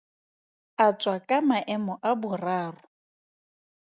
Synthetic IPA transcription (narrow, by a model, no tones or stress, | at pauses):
at͡ʃʼwakʼamaʔɛmɔʔabʊraːrʊ